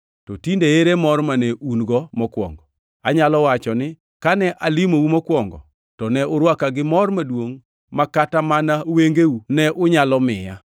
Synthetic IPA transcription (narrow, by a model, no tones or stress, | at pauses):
tɔtindeeɾemɔrmaneunɡɔmɔkwɔ̰ŋɡɔ | aɲalɔwat͡ʃɔnɪ | kanɛʔalimoumɔkwɔŋɡɔ̰ | tɔnɛʊɾwakaɡɪmɔrmadwoŋ | makatamanaweŋɡeunɛʔʊɲalɔmɪja̰